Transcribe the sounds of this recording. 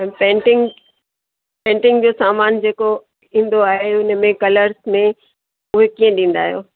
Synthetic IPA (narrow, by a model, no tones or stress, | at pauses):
ɛ̃ːpɛ̃ːɳʈɪ̃ŋɡ | pẽːɳʈɪ̃ŋɡd͡ʑoːsaːmaːnd͡ʑeːko | ĩːn̆d̪oaːɦeʊnə̆mẽkɐləɾzmẽ | ʊɦekiːə̃ɗĩːn̆d̪a̰ːɦijo̰ː